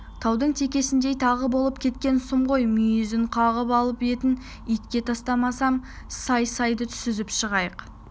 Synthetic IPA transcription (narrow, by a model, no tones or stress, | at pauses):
t̪ʰɑwd̪əɴt̪ʰe̞kʲe̞sɪnd̪e̞jt̪ʰɑʁəbo̞lˠəpkʲʰe̞t̪̚kʲe̞nsʊmʁo̞jmijʏzɪɴqʰɑʁəpɑlˠəpe̞t̪ɪn | it̪kʲe̞t̪ʰɑst̪ɑmɑsɑm | sɑjsɑjd̪ət̪ʰʏ̥sɪzɪpʃəʁɑjəq